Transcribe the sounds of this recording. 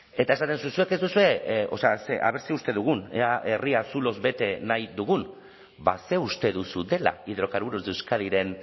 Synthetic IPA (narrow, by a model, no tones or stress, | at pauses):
e̞t̪ae̞sat̪e̞nsusue̞ke̞zd̪usue̞o̞̰seaseʔa̰βe̞ɾsiust̪e̞ðuɣ̞uneaʔe̞riasulo̞zbe̞t̪e̞najd̪uɣun | ba̰se̞ust̪e̞ðusud̪e̞la̰iðɾo̞kaɾβuɾuzd̪ewskaðiɾe̞n